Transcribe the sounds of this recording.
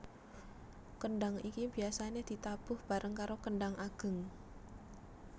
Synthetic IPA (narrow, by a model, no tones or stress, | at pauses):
kəɳɖaŋikibiasaned̪̥it̪ab̥ʊhb̥a̤ɾʔəŋkaɾokəɳɖaŋʔaɡ̥ə̤ŋ